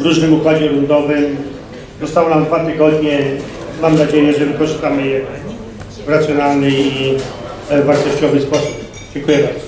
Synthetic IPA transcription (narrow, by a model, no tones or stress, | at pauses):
vɾuʐnɘmukwad͡ʑɛɾund̪ɔvɘm | zɔst̪awɔnamd̪vat̪ɨɡɔd̪ɲɛ | mamnad͡ʑejɛʐɛvɘkɔʐɘst̪amɘjɛɛ | ɾat̪sʲjɔnalnɘi | vaɾt̪ɔɕt͡ɕɔvɘspɔsu̥p | d͡ʑɛŋkujɛbaɾd̪ɔ̥